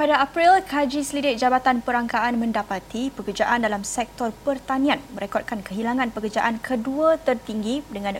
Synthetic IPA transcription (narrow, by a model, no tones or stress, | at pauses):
padaapɾilkʰad͡ʒisəlidɪk̚d͡ʒabat̪anpəɾaŋkaʔanmə̃ndapat̪ipəkərd͡ʒaʔandalamsɛk̚t̪ɔrpərt̪anĩãnmə̃ɾɛkɔt̚kankəɦilaŋãnpəkərd͡ʒaʔankʰəduat̪ərt̪iŋɡidəŋãn